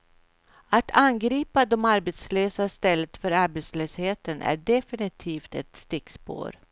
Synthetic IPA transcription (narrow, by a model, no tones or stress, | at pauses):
at̪ʰanɡɾiːpad̪ɔmaɾbɛt̪sløːsast̪ɛlːət̪fœɾaɾbɛt̪sløːsheːt̪ənʔæ̰ɖɛfɪnɪt̪ʰiːft̪ɛ̰t̪st̪ɪkspo̰ːɾ